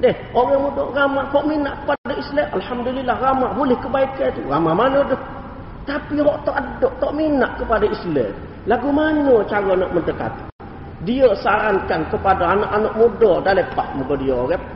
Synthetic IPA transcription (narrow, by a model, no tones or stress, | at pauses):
dɛh | oɣaŋmudoɣamahɔʔminaʔkə̥padaislɛʔʔalhamdulilːahramabulɪhkəbaikat̪uɣamamanodɔh | t̪apiɦɔʔt̪oʔadɔʔt̪ɔʔminaʔkəpadaislɛ̰ | laɡumaɲot͡ʃaɣonaʔmənt̪əka̰t̪ | diəsaɾankankəpadaːnaʔanoʔmudɔdalepa̰ʔmuɡodiaoɣɛ